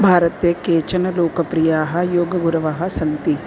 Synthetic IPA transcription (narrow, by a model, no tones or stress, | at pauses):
bʱaːɾɐt̪eːkeːt͡ʃɐnɐloːkɐpɾijaːɦɐjoːɡɐɡuɾɐʋaːɦɐsɐnt̪i